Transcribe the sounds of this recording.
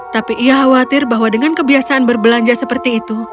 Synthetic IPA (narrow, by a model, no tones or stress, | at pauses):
t̪apiʔːjaɦawat̪ɪrbaɦwadəŋankəbiasaːnbərbəlaɲd͡ʒasəpərt̪iːt̪u